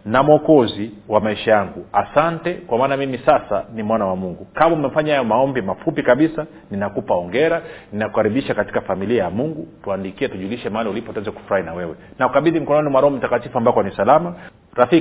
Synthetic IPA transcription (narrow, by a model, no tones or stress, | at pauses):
namɔkɔziwamaiʃajaŋɡuasantɛkwamaːnamimisasanimwanawamuŋɡukamɔmɛm̩faɲahajɔmaɔmbimafupikaɓisa | ninakupaɔŋɡɛɾaninakukaɾiɓiʃakati̥kafamiliajamuŋɡutuandikiɛtuʄuliʃɛmaaliulipɔtuɛnzɛku̥fuɾahinawɛwɛnaukaɓiðim̩kɔnɔnimwaɾɔɔmitakatifuambakanisalama | ɾafi